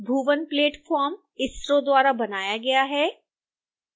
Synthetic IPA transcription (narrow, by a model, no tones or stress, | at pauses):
bʱuːʋənpleːʈfɔːɾm | ɪsɾõd̪waːɾabɐnaːjaɡɐjaɦɛː